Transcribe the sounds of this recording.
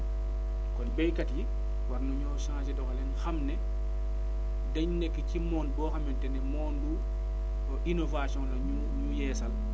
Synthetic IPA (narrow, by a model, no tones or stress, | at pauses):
kɔnbɛjkatji | waɾnuɲɔʃãːd͡ʒɛdɔxalɛnxamnɛ | dɐɲnɛkːicimɔːnbɔːxɐmɛntɛnɛmɔːnɗu | ʔinovasijɔ̃ŋlaɲu | ɲujɛːsɐl